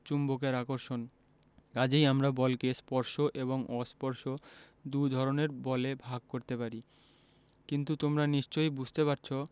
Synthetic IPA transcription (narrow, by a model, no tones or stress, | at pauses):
t͡ɕumbokeɾakoɾʃon | kad͡ʑejamɾabɔlkespɔɾʃoʔeβoŋɔspɔɾʃo | d̪ud̪ʱɔɾoneɾbɔlebʱaɡ̚koɾt̪epaɾi | kint̪ut̪omɾaniʃt͡ɕojbud͡ʑʱt̪epaɾt͡ɕʰo